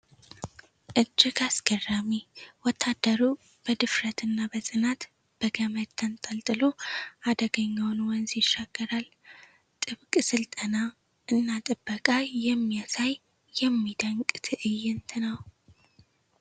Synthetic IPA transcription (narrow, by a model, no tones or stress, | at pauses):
ʔɨd͡ʒːɪɡasɡ̥ərːamiwɔt̪ʰːad̪ːəɾu | b̥əd̪ɨfɾət̪ʰɨnːabəsʼɨnat̪ | b̥əɡəmət̪ʰːənt̪ʼəlt̪ʼɨlo̞ad̪əɡəɲːawnwɔnzjɪʃːaɡ̥ːəɾal | t̪ʼɨβkʼɨsɨlt̪ʼəna | ʔɨnːat̪ʼɨbːəkʼajɛmːijasaj | jɛmːid̪əŋkʼt̪ʰɨʔɨjːɪnt̪ʰɨnəw